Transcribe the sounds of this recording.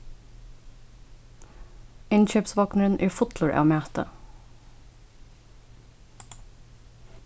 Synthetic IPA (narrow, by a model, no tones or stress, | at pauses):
ɪnçøːpsʋɑːknəɹənʔɪːfʊt̪lʊɹʔɑ̰ːmæːt̪ə̰